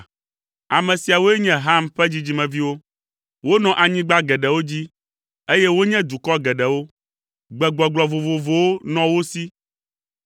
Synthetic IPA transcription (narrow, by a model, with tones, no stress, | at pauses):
a˨mɛ̃˨si˨a˨wo˦e˦ɲɛ̃˦ɦa˦˨mɸɛ˦d͡ʑi˦d͡ʑi˦mɛ̃˨vi˦wo˦ | wo˦nɔ̃˨ʔa˨ɲĩ˦ɡ͡ba˦ɡɛ˨ɖɛ˨wo˦d͡ʑi˦ | e˦jɛ˦wo˦ɲɛ̃˦d̪u˨kɔ˦ɡɛ˨ɖɛ˨wo˦ | ɡ͡bɛ˨ɡ͡bɔ˨ɡ͡blɔ˨vo˨vo˨vo˨wo˦nɔ̃˨wo˦si˦